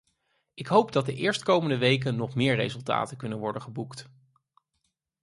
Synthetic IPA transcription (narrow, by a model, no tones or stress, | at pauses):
ʔɪkɦowpdɑd̚dəʔɪːɹstkowməndəʋejk̬ənɔχmɪːɹrḛjzɵlˠta̰ːtəkɵnənʋɔɹdənχəbukt